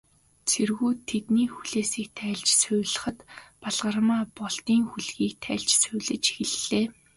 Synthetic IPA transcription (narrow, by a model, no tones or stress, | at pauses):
t͡sʰerɣuːt̪ʰːet̪niːxuɮeːsiːk̚t̪ʰæːɮt͡ɕsʊ̟ːɮə̆χə̆t̪paɮʁə̆rmaːpɔɮt̪iːŋxuɮɣiːk̚t̪ʰæ̰ːɮt͡ɕsʊ̟ːɮɘ̆t͡ɕi̥xɘ̆ɮːeː